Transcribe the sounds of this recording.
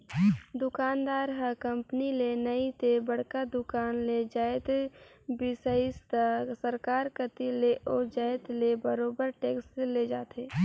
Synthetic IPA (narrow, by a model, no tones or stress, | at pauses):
d̪ʊkaːnd̪aːɾɦəkə̃mpnilenəit̪ebəɽ̤kad̪ʊkaːnled͡ʒaːet̪ | bɪsəist̪asəɾkaːɾkət̪ileʔoːd͡ʒaːet̪lebəɾoːbəɾʈeːksseled͡ʒaːt̪eː